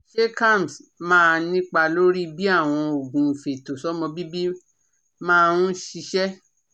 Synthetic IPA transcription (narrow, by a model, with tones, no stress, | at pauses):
ʃe˦kã˦˨m˨smãː˦˧nĩ˦k͡pa˧lo˦ɾi˦bi˦a˦˨w̃ɔ̃˧o˨ɡũ˨i˨fe˨to˨sɔ˦mɔ̃˧bi˦bi˦ | mãː˦˧ũ˦ʃi˧ʃɛ˦